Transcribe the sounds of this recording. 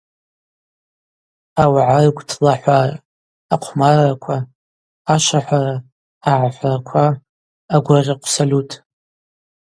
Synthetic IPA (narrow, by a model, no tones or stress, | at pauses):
awʕarɡʷtʰlaħʷar | aqʷʰmarakʷʰaː | ʃʷaħʷara | aʕaħʷarakʷʰaː | ɡʷarʲaqʷʰsolʲutʰ